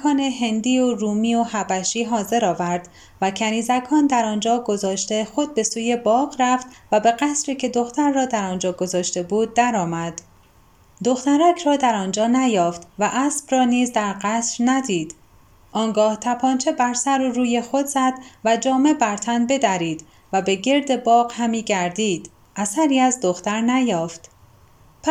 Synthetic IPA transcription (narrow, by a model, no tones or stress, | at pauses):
kʰɒːneɦe̞nd̪iːoruːmiːohæbæʃiːɦɒːze̞ɾɒːvæɾd̪̥ | væcʰæniːzækʰɒːnd̪æɾɒːnd͡ʒɒːɡo̞zɒːʃt̪e̞xo̞d̪̚be̞suːje̞bɒːɣræft̪væbe̞ɣæsɾiːcʰe̞d̪o̞xt̪æɾːɒːd̪æɾɒːnd͡ʒɒːɡo̞zɒːʃt̪e̞buːd̪̚ːæɾɒːmæd̪̥ | d̪o̞xt̪æɾæcʰrɒːd̪æɾɒːnd͡ʒɒːnæjɒːft̪væʔæsb̥rɒːniːzd̪æɾɢæsɾnæd̪iːd̪̥ | ʔɒːŋɡɒːht̪ʰæpʰɒːnt͡ʃʰe̞bæɾsæɾuruːje̞xo̞d̪zæd̪̥væd͡ʒɒːme̞bæɾt̪ʰænbe̞d̪æɾiːd̪ | væbe̞ɟe̞ɾd̪e̞bɒːɢhæmiːɟæɾd̪iːd̪̥ | ʔæsæɾiːæzd̪o̞xt̪æɾnæjɒːft̪ | pʰ